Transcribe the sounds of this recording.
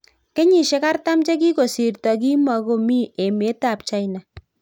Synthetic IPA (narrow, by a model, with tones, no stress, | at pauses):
ke˦ɲi˨ʃe˦ka˦rta˦mt͡ʃe˦k̬i˦ko˨si˨rtɔ˨ki˦ma˨ko˦mi˦e˨me˦ta˦˨p̚t͡ʃa˦jna˨